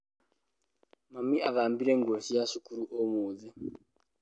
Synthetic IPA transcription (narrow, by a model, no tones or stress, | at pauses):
mamiʔaʋambiɾeŋɡosijaʃikuɾuʔomuːd͡zɛ